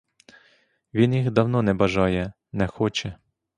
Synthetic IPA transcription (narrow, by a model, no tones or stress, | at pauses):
ʋʲinjixd̪ɐwnɔnɛbɐʒɑjɛ | nɛxɔt͡ʃɛ